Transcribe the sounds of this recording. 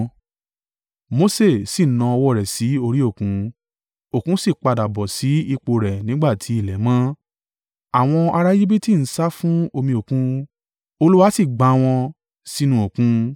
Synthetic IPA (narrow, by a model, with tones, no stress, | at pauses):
mo˦se˦˨si˦˨nã˧ɔ˧wɔ˧˦˨ɾɛ˨si˨˦o˧ɾi˦o˦˨kũ˨˦ | o˦˨kũ˨˦si˦˨k͡pa˧da˨bɔ˨si˨˦i˧k͡po˧ɾɛ˨nĩ˨˦ɡ͡ba˦˨tʰi˨˦i˦˨lɛ˨˦mã˦ | a˨w̃ɔ̃˧a˧ɾa˦ji˦bi˦ti˦˨n̩˦sa˦fũ˦o˧mĩ˧o˨kũ˦ | o˧lu˦wa˦si˦˨ɡ͡ba˨˦˧w̃ɔ̃˧ | si˦nũ˦o˨kũ˨˦